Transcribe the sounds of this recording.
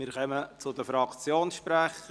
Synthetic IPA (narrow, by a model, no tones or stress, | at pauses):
mɪːɾχœmət͡sʊd̪əfɾɑkt͡sjoːnsʃpɾɛχə